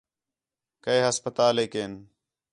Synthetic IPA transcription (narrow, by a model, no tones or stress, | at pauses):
kəeːɦəspət̪aːleːkeːn